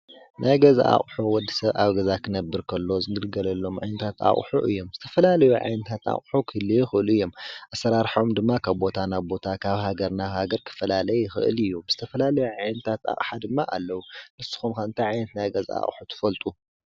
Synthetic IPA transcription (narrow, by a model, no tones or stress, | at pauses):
nʔajɡɐza̰ʔa̰χʼħuwɔd̪ːisɐβaβɡɐzakʰɨnɐbːɨɾkʰɐlːo̞zɨɡɨlɡɐlɐlːo̞mʕa̰jnɐt̪ʰat̪ʰa̰χʼħṵʔɨ̰jːo̞mz̥ɨt̪ʰɐ̥fɐlalɐjuʕa̰jnɨt̪ʰat̪a̰χʼħukʰɨlijɪxɨʔɨluɨjːo̞mʔasːɐɾaɾħomd̪ɨmːakʰaβbo̞t̪ʰanaβbo̞t̪ʰakʰaβhaɡɐɾnaβhaɡɐɾkʰɨ̥fɐlalɐjjɪxɨ̰ʔɨ̰lɨjːuz̥ɨt̪ʰɐfɐlalɐjuʕajnɨt̪ʰat̪a̰χʼħad̪ɨmːaʔalːɐwunɨsːɨ̥xumkɐɨnt̪ʰajʕajnɐt̪najɡɐza̰a̰χʼħut̪ʰɨ̥fɐlt̪ʼu